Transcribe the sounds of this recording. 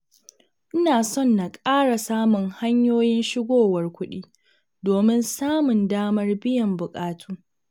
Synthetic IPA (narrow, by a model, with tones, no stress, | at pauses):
ʔɪ˦naː˨sɔ˦˨nːa˨kʼaː˦ɽa˨saː˦mʊ˨ŋha˦ɲjoː˦jɪ˦nʃɪ˦ɡʷoː˦˨wɐ˨rkʷʊ˦ɗiː˦ | doː˨mɪ˦nsaː˦mʊ˨ndaː˦mɐ˦rbɪ˦jɐ˨mbʊ˨kʼaː˦tʰuː˦